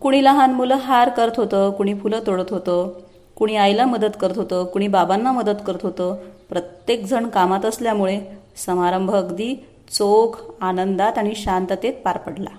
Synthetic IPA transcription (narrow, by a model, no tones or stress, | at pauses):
kuɽ̃iːləɦanmuləɦaɾkəɾət̪ɦot̪əkuɽ̃iːfulət̪oɽət̪ɦot̪ə | kuɽ̃iːajlaməd̪əd̪kəɾət̪ɦot̪əkuɽ̃iːbabanːaməd̪əd̪kəɾət̪ɦot̪əpɾət̪jek̚d͡zʱəɳkamat̪əsljamuɭe | səmaɾəmbʱəɡd̪iː | t͡sokanənd̪at̪aɽ̃iɕant̪ət̪et̪̚paɾpəɽla̰